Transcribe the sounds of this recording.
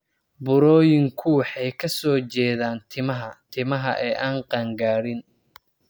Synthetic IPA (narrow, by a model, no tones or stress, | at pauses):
bʊɾɔːjɪŋkʰʊwħɑjkʰɐsɔːt͡ʃɛːðaːnt̪ʰɪmɐɦɐt̪ʰɪmɐɦɐ̰ʔɛːʔaːnqɑːŋɡaːɾɪn